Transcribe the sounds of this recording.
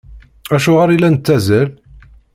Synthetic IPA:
æʃʊʁəɾilːænət͡s̪ːæzæl

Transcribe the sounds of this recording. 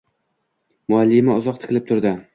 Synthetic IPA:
mʊalːɪmɪɒzɒq̚t̪ʰɪ̥kʰɨlɪp̚t̪ʰʊɾd̪ɪ

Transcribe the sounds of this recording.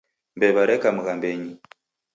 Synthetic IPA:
mbeβaɾekamuɣambeɲi

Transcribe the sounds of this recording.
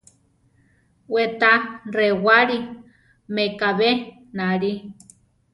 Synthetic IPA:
wet̪arewaɾi | mekaβe | naɾi

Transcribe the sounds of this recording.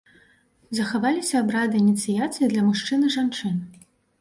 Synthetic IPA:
zɐxavalʲisʲɐːbɾad̪ɨinʲit̪sɨjat̪sɨjid̪lʲɐmuʂt͡ʂɨnɨʐant͡ʂɨn

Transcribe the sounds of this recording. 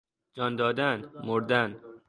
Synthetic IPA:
d͡ʒɒːnd̪ɒːd̪ænmoɾd̪æn

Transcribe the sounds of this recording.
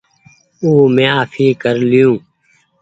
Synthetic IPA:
uːmẽːaːfʰiːkəɾlɪjũː

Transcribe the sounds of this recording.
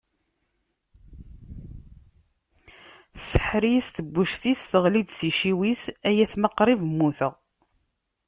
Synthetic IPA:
θsə̥ħɾisθəbːuʃθisθəʁlid̪siʃiwisæjæθməqːɾˤivmːuθəʁ

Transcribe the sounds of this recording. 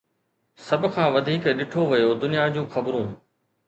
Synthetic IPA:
sɐbʱkʰãːʋɐd̪ʱiːkɗɪʈʰoʋɐjod̪ʊnijad͡ʑũːxɐbɾũː

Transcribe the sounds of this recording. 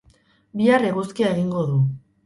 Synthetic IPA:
biareɣuskiae̞ɣiŋɡo̞ðu

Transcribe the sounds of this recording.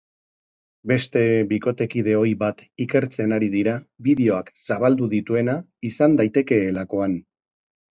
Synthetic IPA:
be̞st̪e̞βiko̞t̪e̞kið̞e̞o̞jβat̪ike̞ɾt͡se̞naɾiðiɾaβiðeo̞aksaβald̪uðit̪ue̞na | isand̪ajt̪e̞ke̞ːlako̞an

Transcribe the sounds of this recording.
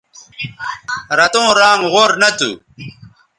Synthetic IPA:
ɾɐt̪õːɾaːŋʁoːɾnɐt̪ṵ

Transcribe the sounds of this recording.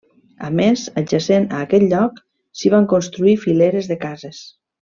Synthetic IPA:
a̰mezad͡ʒasenaːkɛt̪ʎɔk | siβ̞aŋkonst̪ɾuifileɾezðekazes

